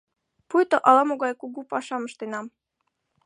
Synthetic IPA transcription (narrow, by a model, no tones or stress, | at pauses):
pujt̪ŏʔɑlˠɑmoɡɑjkuɡupɑʃɑmɤ̆ʃt̪enɑm